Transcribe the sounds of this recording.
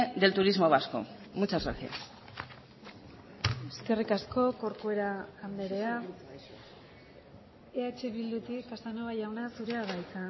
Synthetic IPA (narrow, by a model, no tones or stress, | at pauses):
d̪elt̪uɾizmoβasko̰ | mut͡sasaɾxe | eske̞rikasko̞ko̞ɾkue̞ɾaːnd̪e̞ɾe̞a | eat͡ʃeβild̪ut̪ikast̪anoβajawnasuɾe̞aβajt̪a